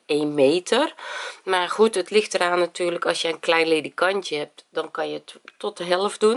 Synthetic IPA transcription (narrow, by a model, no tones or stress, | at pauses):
eːnmeːtʰərmarxutətlɪxtəraːnːatyːrləkɔsjəənklɛjnledikantjəhɛp̚tdɔnkɔnjəttɔtəɦɛlˠəfdun